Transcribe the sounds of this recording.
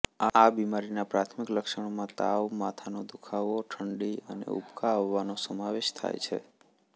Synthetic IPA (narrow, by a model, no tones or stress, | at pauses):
abimaɾinapɾat̪ʰmɪkləkʃəɳ̃mãt̪aʋmat̪ʰanod̪ukʰaʋoʈʰəɳɖiənḛṵpkʰaʋːanosəmaʋeʃt̪ʰa̰jt͡ʃʰḛ